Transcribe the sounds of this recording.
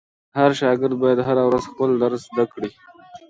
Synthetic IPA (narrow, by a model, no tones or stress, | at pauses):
haɾʃɑɡɪɾd̪̚bɑjad̪ɦaɾawɾazxpəld̪aɾzd̪akɽi